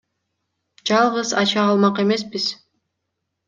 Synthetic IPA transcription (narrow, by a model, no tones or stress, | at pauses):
d͡ʒɑlˠʁɯzɑt͡ʃɑːlˠmɑqe̞me̞sbiz̥